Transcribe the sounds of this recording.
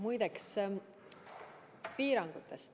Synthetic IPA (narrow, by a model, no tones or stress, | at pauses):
mujd̪eks | piːɾɑŋɡ̥ut̪ˑːest̪